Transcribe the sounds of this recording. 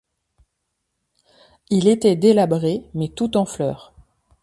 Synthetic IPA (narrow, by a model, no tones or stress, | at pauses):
ilet̪ɛd̪elabʁemɛt̪ut̪ɑ̃flœːʁ